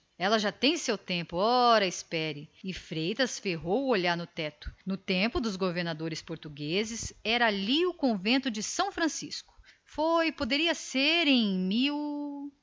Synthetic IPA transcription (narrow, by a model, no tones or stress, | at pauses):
ɛlɐʒat̪ẽj̃sewt̪ẽmpʊɔɾɐɪspɛɾɪɪfɾejt̪ɐsfeɦowʊoʎaɾnʊt̪ɛt̪ʊ̥nʊt̪ẽpʊd̪ʊzɡoveɾnad̪oɾɪspoɾt̪uɡezɪsɛɾɐaliʊkõvẽnt̪ʊd͡ʒɪsɐ̃w̃fɾɐ̃sḭskʊ̥ | fojpod̪eɾiɐseɾẽj̃miw